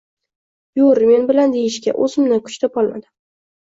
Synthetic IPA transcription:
joɾme̞nbɪland̪ejɪʃkʲa̰ʔɵzɪmnakʰʊ̥t͡ʃt̪apɒlˠma̰d̪ɪm

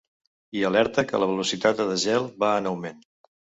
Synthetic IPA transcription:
iəlɛɾt̪əkə̰ləβ̞əlusit̪at̪əðəʒɛlˠβaənəwmen

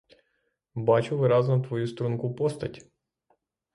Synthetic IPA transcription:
bat͡ʃʊʋɨɾɑznɐt̪ʋɔjust̪ɾunkupɔst̪ɐtʲ

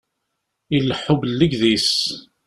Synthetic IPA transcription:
ilːəħːʊbəlːəɡðis

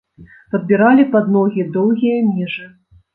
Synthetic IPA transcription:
pɐd̪̚bʲiɾalʲipad̪nɔɣʲid̪ɔwɣʲijɐmʲiʐɨ

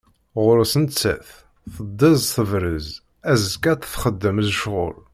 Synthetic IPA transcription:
ʁʊɾəsənt͡sːæ̰θ | θəd̪ˤːəzθəvɾəz | æzkːæt̪θχəd̪ːəmzʃʁʊ̰l

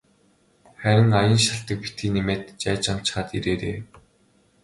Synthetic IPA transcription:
χæɾʲɪ̆ŋajə̆nʃaɬt̪ə̆k̚pi̥t̪iːnemeːt̪t͡ɕæːt͡ɕam̥t͡ɕχaːt̪ḭɾeːɾḛː

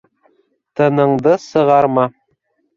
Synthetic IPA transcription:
t̪ɤ̆nɤ̆ɴd̪ɤsɤ̆ʁɑɾmɑ

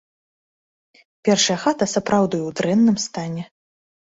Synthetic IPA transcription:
pʲɛrʂɐjɐxat̪ɐsɐpɾawd̪ujɛwd̪ɾɛnːɨmst̪anʲɛ

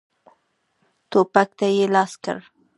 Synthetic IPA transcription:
t̪opak̚t̪ajelɑska̰ɾ

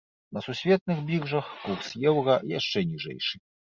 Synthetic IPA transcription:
nɐsusʲvʲɛt̪̚nɨxbʲiɣʐɐxkursjɛwɣɐjaʂt͡ʂɛnʲiʐɛ̰jʂɨ

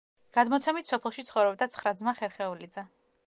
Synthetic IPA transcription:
ɡ̥ad̪mɔt̪sʰɛmit̪ʰsɔpʰɛlˠʃit̪sʰχɔvɾɔb̚d̪at̪sʰχɾad̪zmaχɛɾχɛulid̪zɛ

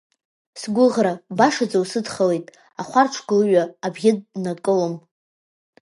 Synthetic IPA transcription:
sɡʷʊʁrabaʂad͡zawsɨdχalejtʼ | aχʷarʈ͡ʂʷʰɡɨlɨɥaːbɡʲɪd̚nakʼɨlom

